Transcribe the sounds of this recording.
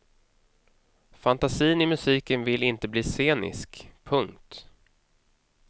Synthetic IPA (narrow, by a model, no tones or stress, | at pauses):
fant̪asiːnɪmɵsiːkənvɪlɪnt̪əbliːseːnɪ̰skpʰɵŋkt̪